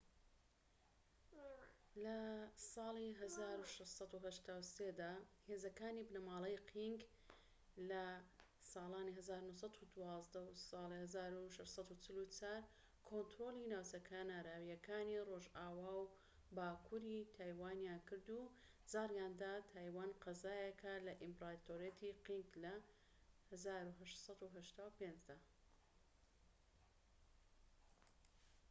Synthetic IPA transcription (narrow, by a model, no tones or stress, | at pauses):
lɐsɑːlˠiɦɐzaːɾuʃɐʃtsˤɑt̪uɦɐʃt̪aːwseːd̪aːheːzɐkaːnibnɐmɑːlˠɐjqʰiŋɡ | lɐ | sɑːlaːniɦɐzaːɾunuhs̬ɑt̪ud̪uwɑːzd̪ɐwsɑːlihɐzaːɾuʃɐʃsˤɑd̪ut͡sʰɪlut͡saːɾ | kʰont̪ɾoːlˠinaːwt͡sɐkʰanaːɾaːwijɐkʰaːniroʒaːwaːw | baːkʰuɾit̪ʰaːjwaːnjaːnkɨɾd̪u | zaːɾjaːnd̪aːt̪ʰaːjwaːnqɐzaːjɐkʰalɐʔimpɾat̪oːɾet̪ʰiqiŋklɐ | hazaːɾuɦɐʃt̪sˤɑd̪uɦɐʃt̪aːwpenzd̪a